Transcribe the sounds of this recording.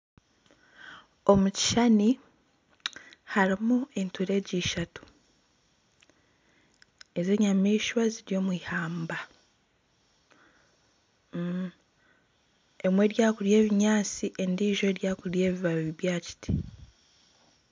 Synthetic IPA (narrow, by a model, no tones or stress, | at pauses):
o̞muci̥ʃani | haɾimue̞ntuɾe̞ːɟiʃatu̥ | e̞ze̞ːɲamiːʃwaziɾjo̞ːmwiːhaːmba | e̞mwe̞ːɾjaːkuɾje̞ːβiɲaːt͡siʔendiːʒo̞eːɾjaːkuɾje̞ːβiβaβiβjaːci̥tʰi̥